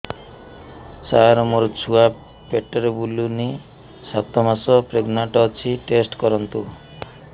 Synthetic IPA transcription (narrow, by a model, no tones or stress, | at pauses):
saɾɔmɔɾt͡ʃʰua | peʈɔɾebuluni | sat̪ʰɔmasɔpɾeɡnaʈɔt͡ʃʰiʈesʈkɔɾɔnt̪u